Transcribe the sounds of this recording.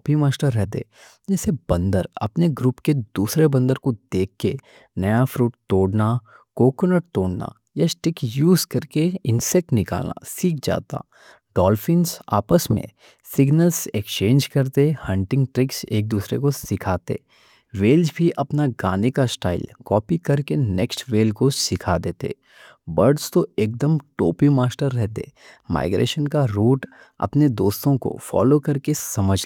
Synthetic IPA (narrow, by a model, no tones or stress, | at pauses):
bʱimaːsʈəɾːɛɦt̪ḛː | d͡ʒɛːsebɐ̃nd̪əɾɐ̰pneɡɾuːpked̪uːsɾebɐ̃nd̪əɾkod̪eːkʰːe | nɐjafɾuːʈ̚t̪oːɽna | koːkənəʈt̪oːɽna̰ | jasʈɪkjuːzkɐɾkeɪ̃nsɛk̚ʈnɪka̰ːlna̰siːk̚d͡ʒa̰ːt̪a̰ː | ɖɔːlfɪ̃nsa̰ːpəsmḛ̃ | sɪɡnəlsekst͡ʃẽːnd͡ʒkɐɾt̪ehɐ̃ɳʈɪ̃ŋɡʈɾɪksḛːk̚d̪uːsɾḛkosɪkʰaːt̪ḛː | ʋeːld͡ʒbʱiʔɐpnaɡaːnekasʈa̰ːɪlkɔːpikɐɾkenɛːksʈʋeːlkosɪkʰad̪eːt̪ḛː | bɐɾɖzt̪oeːk̚d̪əmʈo̰ːpimaːsʈəɾːɛɦt̪ḛma̰ːɪɡɾḛːʃənkaɾuːʈ | ɐ̰pned̪oːst̪õko̰fɔ̰ːlokɐɾkesɐməd͡ʒʱl